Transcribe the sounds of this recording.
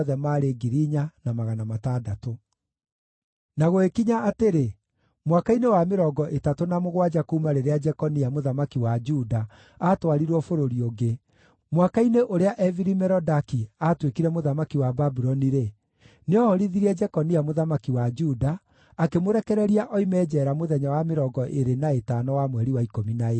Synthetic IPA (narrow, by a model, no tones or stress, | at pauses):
ðɛmaːɾeɡiɾiɲanamaɣanamatadato | naɣoekiɲaːteɾe | mwakainewameɾɔːɡɔʔetatonamoɣwad͡ʒakoumaɾeɾead͡ʒɛkɔniamoðamakiwad͡ʒuda | atwaɾiɾwɔfoɾoɾioɡe | mwakaineʔoɾeaʔɛviɾimɛɾɔdakiatwekiɾɛmoðamakiwababuɾɔniɾe | neɔhɔɾiðiɾɛd͡ʒɛkɔniamoðamakiwad͡ʒudaː | kemoɾɛkɛɾɛɾiaʔɔimɛːd͡ʒɛɾamoðɛɲawameɾɔɡɔʔeɾenaetanɔwamwɛɾiwaikominae